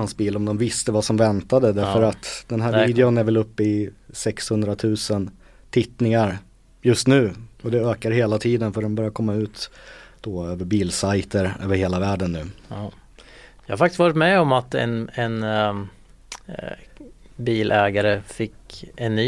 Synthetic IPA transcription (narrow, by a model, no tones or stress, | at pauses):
ansbiːlɔmd̪ɔmvɪst̪əvasɔmvɛnt̪ad̪əd̪æɾfəɾat̪d̪ɛnɦæːɾviːd̪ɛʊnæɾvɛlɵpːɪsɛkshɵnd̪ɾat̪ʰʉ̟ːsən | t̪ʰɪt̪nɪŋaɾ | jɵst̪nʉ̟ːɔd̪ɛøːkaɾheːlat̪ʰiːd̪ənfœɖɛnbœɾjakʰɔmːaʉ̟ːt̪d̪̥ɔøːvəɾbiːlsajt̪əɾøːvəɾheːlavæːɖənːʉ̟ː | jɑhaɾfakt̪ɪst̪vɑːɾɪt̪mɛɔmat̪ɛ̰nɛn | biːlʔɛːɡaɾəfɪkɛnːyː